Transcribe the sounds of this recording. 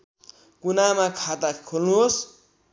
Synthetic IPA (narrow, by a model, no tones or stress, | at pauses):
kunamakʰat̪akʰolnuɦos